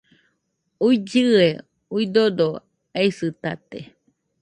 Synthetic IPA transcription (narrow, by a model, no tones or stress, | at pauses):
uid͡ʒɨe | uid̪od̪o | eisɨt̪at̪ḛ